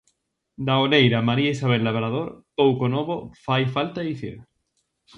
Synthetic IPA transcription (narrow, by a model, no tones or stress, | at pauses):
d̪aolejɾamaɾiaisaβ̞elːaβɾaðoɾpowkonoβofajfalt̪aeiθḭɾ